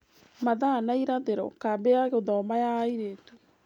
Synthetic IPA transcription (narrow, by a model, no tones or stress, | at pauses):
maðaːnaiɾaðeɾɔ̰kabeaɣeðɔmajaiɾetu